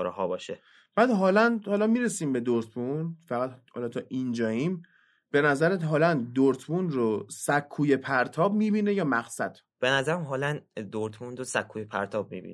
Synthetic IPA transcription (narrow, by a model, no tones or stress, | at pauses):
ɾɦɒːbɒːʃe | b̥æːd̪ɦɒːlænd̪hɒlɒmiːɾe̞siːmbe̞d̪oɾt̪ʰmunfæɣæt̪hɒ̰lɒt̪ʰɒːʔind͡ʒɒːiːm | b̥e̞næzæɾeɦɒːlænd̪oɾt̪ʰbunrosækʰːuːjepʰæɾt̪ʰɒːb̚miːbiːne̞jɒːmæɡsæd̪̥ | b̥enæzæɾæmɦɒːlænd̪oɾt̪ʰmunɾosækʰːujepʰæ̰ɾt̪ʰɒːb̚mḭːbḭn